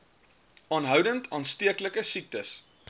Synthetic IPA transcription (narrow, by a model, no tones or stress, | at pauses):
ɑːnɦœwdəntʰɑːnstiəkləkəsik̚təs